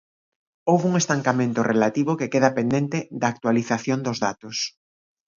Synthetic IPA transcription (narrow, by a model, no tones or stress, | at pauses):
owβuŋest̪aŋkamẽnt̪ʊrʔelat̪iβʊkekeð̞ɐpend̪ent̪ed̪aːk̚t̪waliθaθjond̪ʊzða̰t̪ʊs